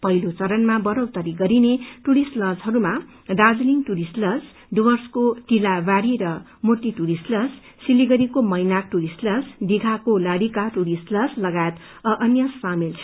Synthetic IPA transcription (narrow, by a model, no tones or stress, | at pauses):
pʌɦilot͡sʌɾʌnmabʌɾʌwt̪ʌɾiɡʌɾineʈuɾisʈlʌsɦʌɾuma | d̪ad͡zliŋʈuɾisʈlʌs | duwʌrskoʈilabaɽiɾʌ | mot̪iʈuɾisʈlʌs | siliɡʌɾikomʌjnak̚ʈuɾisʈlʌsd̪iɡʱakolaɽikaʈuɾisʈlʌslʌɡajet̪ | ʌʔʌnjʌsamilt͡sʰ